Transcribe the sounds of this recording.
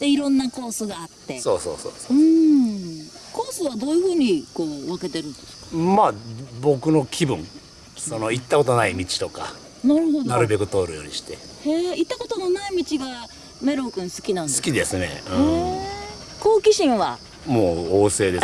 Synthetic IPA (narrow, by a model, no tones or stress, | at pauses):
d̪̥e̞iɾõ̞nːako̞ːsɨɡaːt̪ːe̞so̞̰ːso̰ːso̰ːsoɯ̟̃ | ko̞ːsɨβad̪o̞ːjɯ̟ɸɯ̟ːɲ̟ikoːβake̞t̪e̞ɾɯ̟̃nd̪esɨ̥kmaːbo̞kɯ̟no̞kʲʰibɯ̟̰̃ŋ | so̞no̞it̪ːako̞t̪onaimʲit͡ɕi̥t̪o̞ka̰ | naɾɯ̟ɦo̞d̪aɾɯ̟be̞kɯ̟t̪o̞ːɾɯ̟jo̞̰ːɲiɕi̥t̪e̞ | heːit̪ːako̞t̪o̞nonaimʲit͡ɕiɡa | me̞ɾo̞kɯ̟̃ɰ̃sɨ̥kʲinãndseɨ̥kʲid̪e̞sɨne̞̰ɯ̃ | ko̞ːkʲiɕĩɰ̃βa | moːoːse̞ːd̪e